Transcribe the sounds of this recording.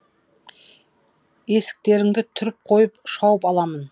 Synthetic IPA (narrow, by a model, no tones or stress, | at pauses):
e̞sɪ̥k̚t̪e̞ɾɪŋd̪ɪt̪ʰʏɾɪp̚qʰo̞jəpʃɑwəpɑlˠɑmən